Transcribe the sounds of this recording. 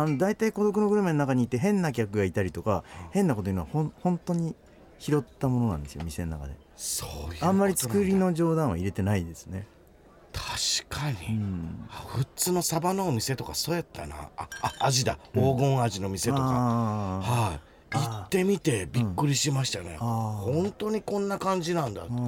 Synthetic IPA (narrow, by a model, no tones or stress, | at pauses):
ano̞d̪ait̪aiko̞d̪o̞kɯ̟noɡɯ̟ɾɯmenonakaɲ̟iːt̪ːe̞ɦẽ̞nːak̬ʲakɯ̟ɡait̪aɾʲit̪o̞kahẽ̞nːakot̪oinoahõnhõ̞nt̪o̞ɲ̟i | çiɾo̞t̪ːamo̞no̞nã̰nd̪esɨjomʲise̞nona̰ka̰d̪e̞̰ | sojãmːaɾʲit͡sɨ̥kɯɾʲino̞d͡ʑo̞ːd̪ãɰ̃βa̰iɾe̞t̪e̞naid̪e̞sɨ̥ne̞ | t̪ʰḁɕi̥kʰaɲ̟iɯ̃aɸɯ̟t͡sɨːno̞sabanoːmʲise̞t̪o̞kasoːjat̪ːana̰aaːʑid̪aoːɡõ̞ɴ̃aʑinomʲise̞toa̰ha | itt̪ːe̞mʲit̪e̞bʲikkːɯ̟ɾʲiɕimaɕi̥t̪anḛhõ̞nt̪o̞ɲ̟ikõ̞nːakãɲ̟d͡ʑinãnd̪a̰